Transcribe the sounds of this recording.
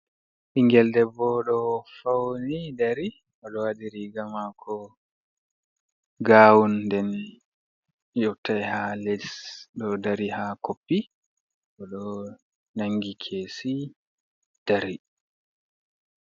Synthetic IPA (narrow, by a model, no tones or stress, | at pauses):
ʔiŋɡɛldɛbɔɗɔfawnidaɾi | ʔɔɗɔwadiɾiɡamakʰɔ | ɡaːwundɛn | jɔtːajhaledisɗɔdaɾihakopːi | ɓɔɗɔ | naŋɡikʰeːsi | d̥aɾi